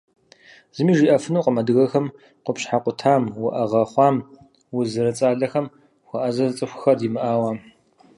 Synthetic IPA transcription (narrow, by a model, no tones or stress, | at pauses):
z̥ɨmiːʒiːʔɐfɨnuːqʼəmɐdɨɣɐxɐm | qʷʊpɕħaqʷʊtʰaːmwʊʔɐʁɐχʷɑːm | wʊzɨɾɐt͡sʼaːɮɐxɐm | xʷɐʔɐzɐzt͡sʼɨxʷxɐrdiːmɨʔaːwaː